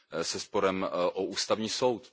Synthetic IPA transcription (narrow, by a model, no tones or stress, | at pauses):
sɛspo̞ɾɛmʔoʔuːst̪avɲiːso̞wt̪